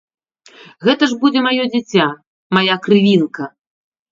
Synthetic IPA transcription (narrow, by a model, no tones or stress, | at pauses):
ɣɛt̪ɐʐbud͡zʲɛmajɔd͡zʲit͡sʲa | majakɾɨvʲinkɐ